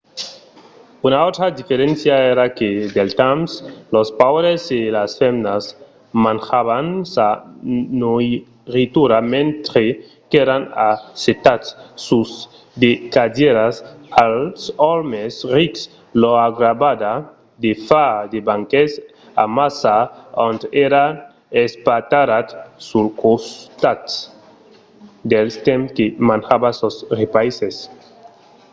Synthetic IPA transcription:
unaot̪ɾad̪ifeɾensjaeɾaked̪elt̪amslospawɾezelasfemnaz | manxaβansanoj | rit̪uɾamẽnt̪ɾe | keɾanaset̪atsːuz | d̪ekadeɾasalsɔɾmesriks | loaɡɾabad̪a | d̪efad̪ebaŋkes | a̰masaont̪eɾa | espat̪aɾat̪sulkost̪at̪ | d̪elst̪emkemãnxabasosrepajses

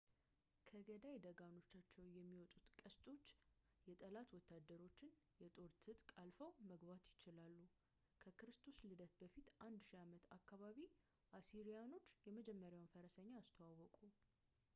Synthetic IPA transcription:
kʰəɡəd̪ajd̪əɡano̞t͡ʃːat͡ʃːɛwjɛmːiwɔt̪ʼut̪kʼəst̪ʼo̞t͡ʃː | jɛt̪ʼəlat̪wɔt̪ːad̪ːəɾo̞t͡ʃːɪn | jɛt̪ʼo̞ɾt̪ʰɨt̪ʼkʼalfəwməɡβat̪jɪt͡ʃɪlalːu | kʰəkʰɨɾɨst̪ʰo̞slɨd̪ət̪bəfit̪ʔand̪ʃiamət̪ʰakːaβaβi | ʔasiɾijano̞t͡ʃːjɛməd͡ʒɛmːəɾjawnfəɾəsəɲːaːst̪ʰəwawːɔkʼu

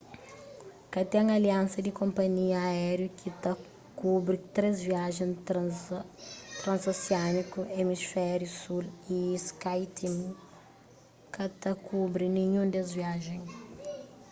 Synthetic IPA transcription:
kɐt̪ɛ̃ŋɐliãnsɐd̪ikõmpɐɲiɐːɛɾjukʰit̪ɐ | kubɾit̪ɾezviaʒẽj̃ | t̪ɾɐ̃nzosianikuʔemisfɛɾjusuliskajt̪ʰimu | kɐt̪ɐkʰubɾinĩɲũd̪ezviaʒẽj̃

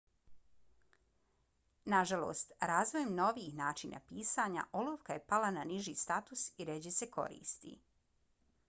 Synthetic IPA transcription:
naʒalˠo̰ːst̪ɾaːzʋojemno̞ʋiːxnaːt͡ʃinʔa̰piːsaɲa̰ʔoloːʋkaje̞palananiʒiːst̪at̪usiɾed͡ʑeseko̞̰ɾḭːst̪ḭ

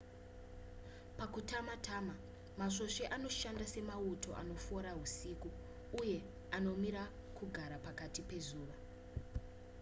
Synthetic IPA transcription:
pakutamatama | maʂo̞ʃeʔano̞ʃandase̞mauto̞̰ʔa̰no̞fo̞ɾaɦusikuː | je̞ | ano̞miɾa | kʰuɡʱaɾapakatipe̞zuːʋa

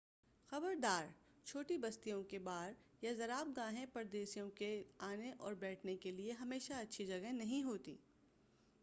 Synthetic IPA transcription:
xɐbəɾd̪aːɾ | t͡ʃʰoːʈibɐst̪ijõkebaːɾ | jazɐɾaːb̚ɡãːɦẽpɐɾd̪eːsijõkeaːneʔɔːɾbɛːʈʰnekelieɦɐmeːʃaɐtːʃʰid͡ʒɐɡənɐɦĩɦoːt̪ḭː

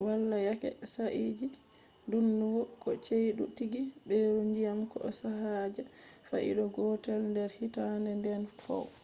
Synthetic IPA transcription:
walːajakɛ̰saʔid͡ʒi | dunːuɡɔkɔt͡ʃejɗutiɡibɛɾuɲd͡ʒijamkɔɔsahaːd͡ʒa | fa̰ʔḭɗɔɡɔtɛlndɛɾhitandɛndɛnfɔ̰w

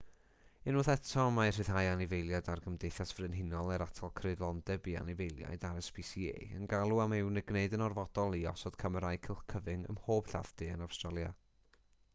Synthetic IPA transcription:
ɪnʊːθɛtʰɔmajr̥ɨðɦajanɪvejlˠjadarɡəmdejθjasv̥rɨnɦɪnɔlˠɛɾatʰɔlˠkʰrɨdlˠɔndɛbia̰nɪvejlˠja̰jdaɾəspʰisiḛːə̰nɡalˠuamɪwnɪɡneɨdənɔrvɔd̥ɔlˠiɔsɔd̥kʰəməɾajkʰɪlˠχkʰəvɪŋə̰mhoːb̥ɬa̰vd̥ɨənawstralˠja̰

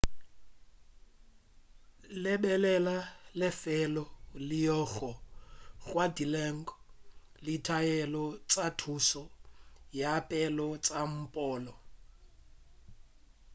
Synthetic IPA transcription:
lɛbɛlɛlalɪfɛlɔlɪjɔɣɔɣwadilɛŋ̩kɔ | lɪtʰajɛlɔt͡sʼatʰusɔjapʼɛlɔt͡sʼam̩pʼɔːlɔ

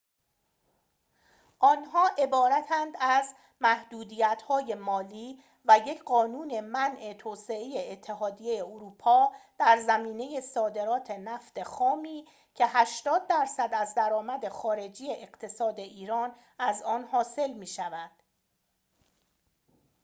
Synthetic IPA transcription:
ʔɒːnɦɒːʔe̞bɒːɾæt̪ʰænd̪æz | mæhd̪̥uːd̪iːjæt̪hɒːje̞mɒːliː | væje̞cʰɢɒːnuːne̞mænʔe̞t̪ʰoːse̞eje̞ːt̪ʰːe̞ɦɒːd̪ijejeoɾuːpʰɒːd̪̥æɾzæmiːne̞je̞sɒːd̪e̞ɾɒːt̪ʰe̞næft̪e̞xɒːmiː | cʰe̞ɦæʃt̪ɒːd̪̚ːæɾsæd̪æzd̪æɾɒːmæd̪e̞xɒːɾe̞d͡ʒije̞ʔeɢt̪ʰe̞sɒːd̪e̞ʔiːɾɒːn | æzɒːnhɒːse̞lmiːʃævænd̪̥

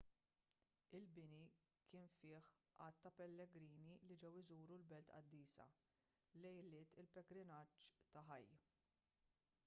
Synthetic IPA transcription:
ɪlbɪni | kʰɪːnfɪːħʔɐt̪ːɐpɛlːɛɡɾiːnilid͡ʒɛwɪzuːɾulbɛlt̪ɐ̰d̪ːiːsɐ̰ | lɛjɪlːɪːt̪ɪlpɛɡɾɪnɐt͡ʃːt̪ɐħɐjː

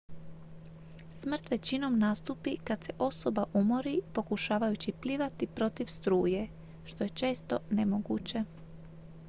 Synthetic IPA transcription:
smr̩t̪ʋe̞t͡ɕino̞mnast̪uːpikad̪̥se̞ʔo̞so̞baʔumoɾipo̞kuʃaːʋajut͡ɕipliːʋat̪ipɾo̞t̪iʋst̪ɾuːje̞ | ʃt̪o̞je̞t͡ʃe̞ːst̪o̞ne̞mo̞ɡṵːt͡ɕe̞

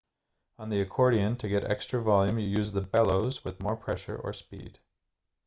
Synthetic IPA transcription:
ə̃nðiɨkʰɔɹɾiɨ̃ntʰɨɡɛɾɛ̰kstɹ̥ɨvɑlˠjʉ̃mjɨjʉzðəbɛlˠoʊzwɨðmɔɹpʰɹ̥ɛʃə̰˞ʔə̰˞spḭd̥

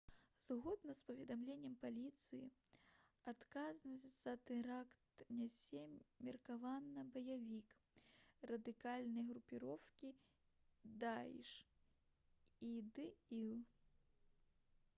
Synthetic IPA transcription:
zɣɔd̪nɐspɐvʲɛd̪amlʲenʲːɛmpalʲit̪sɨjḭ | at̪kaznɐsʲt͡sʲz̥ɐt̪ɛɾakt̪nʲasʲɛmʲirkavanːɐbɐjavʲik | rɐd̪ɨkalʲnɐjɣɾupʲiɾɔwkʲi | d̪ajḭʂ | id̪ɨilˠ

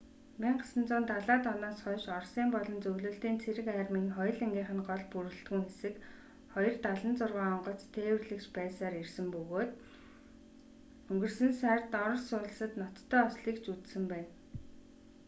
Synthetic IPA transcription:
miŋɢasə̆nt͡sʊːnt̪aɮaːt̪ɔnɔːsχɔnʃɔrsiːmpɔɮɞ̆nt͡sɵwɮɵ̆ːɬt̪iːnt͡sʰeɾɘ̆kærmiːŋχɔj̆ɮeŋɡʲiːχə̆nɢɔɮpuɾɵ̆ɬt̪ɡɘ̆ŋxesɘ̆k | χɔjɞ̆rt̪aɮə̆nt͡sʊrʁaːɔɴɢɞ̆ɬt͡st̪ʰeːwɘ̆rɮɘ̆kt͡ɕpæːsaːɾirsɘ̆mpɵɣoːt̪ | ɵŋɡɵ̆rsɘ̆nsært̪ɔɾ̆sʊːɮə̆sə̆t̪nɔt̪ʰːœːɔsɮiːkt͡ɕut͡ssɘ̆mpæːn

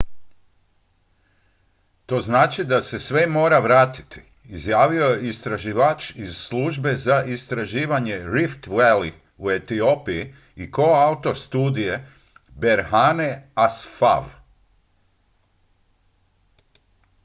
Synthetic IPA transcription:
t̪o̞ːznaːt͡ʃid̪ase̞sʋe̞mo̞ːɾaʋɾaːt̪i̥t̪i̥ː | zjaːʋio̞jeist̪ɾaʒiʋat͡ʃizslˠuʒbe̞zaʔist̪ɾaʒiːʋaɲe̞ɾift̪weli | ue̞t̪io̞piji | iko̞aut̪o̞st̪uːd̪ije̞ | be̞ɾɦaːne̞asfa̰ʋ

